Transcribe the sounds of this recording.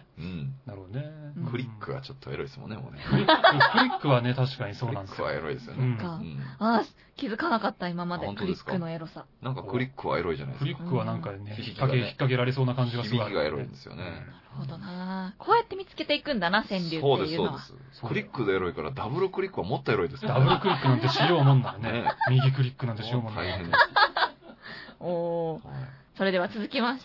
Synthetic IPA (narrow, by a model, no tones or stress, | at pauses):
ɯ̟̃ɴnaɾɯ̟hod̪onekʰɯ̟ɾʲikːɯɡa̰t͡ɕot̪ːoeɾo̞i̥smõ̰nːemo̰nekɯɾikɯ̟ɾʲikːɯ̟βane̞t̪aɕi̥kaɲ̟iso̞ːnãnd̪esjaeɾoḭd̪esɨjonɯ̟̃ɴaɯ̃a | kʲizɨkanakat̪ːaimamad̪ẽnk̪ɯɾieskːɯno̞eɾo̞sanãŋkakɯ̟ɾʲikːɯβa̰eɾo̞iʑa̰na̰jkɯ̟ɾʲikːɯ̟βanãŋkanːeçikːakeçi̥kːak̬e̞ɾaɾeso̞ːnakãɲ̟d͡ʑiɡasiɡaeɾo̰ḭ̃nd̪e̞sɨjo̰nḛnaɾɯ̟hod̪onakʰo̞ːjat̪ːe̞mʲit͡sɨ̥ke̞t̪e̞ikɯ̟̃nd̪anasẽ̞nɾʲɨːoːd̪eiɯːonas | okɯ̟ɾʲikːɯd̪eeɾo̞ikaɾa̰d̪abɯ̟ɾɯ̟kɯ̟ɾʲikːɯ̟βamot̪ːoeɾo̞id̪esd̪abɯ̟ɾɯ̟kɯ̟ɾʲikkːɯ̟nãnt̪eɕijoːmõnːaɾonemʲiɡʲik̬ɯ̟ɾʲikːɯnãnt̪eɕijoːmõnaihẽn | oː | so̞ɾe̞d̪e̞βat͡sɨzɨkʲimaɕt̪a